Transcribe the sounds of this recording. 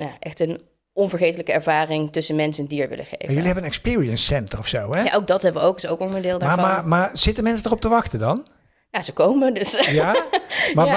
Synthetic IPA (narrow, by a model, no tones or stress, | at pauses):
njaːʔɛxtən | ɔnvəɹχejtələkəɛɹvaːrɪŋtɵsənmɛnsənndiːəɹʋɪ̰lʔə̰χḛjajɵlliɦɛbənənɛkspɪːɹiənsɛntərɔfsowɛa̰ʔowɡ̚dɑtɦɛbəʋəowkɪsowkɔnəndɪːlˠdaamamaːɹz̥ɪtənmɛnsədərɔp̚təʋɑxtəndɑn | jazəkowmədøsja | ma